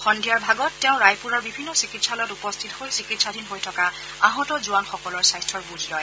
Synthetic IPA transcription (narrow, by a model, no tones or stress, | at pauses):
xɔndʱijaɹbʱaɡɔtːɛʊ̃ɹajpuɹaɹbibʱinːɔsikitsaljtupɔstʰitɔhojsikitsadʱinɦojtʰɔka | aɦɔtɔzʊanxɔkɔlɔɹsajstʰɔɹbuzʱlɔj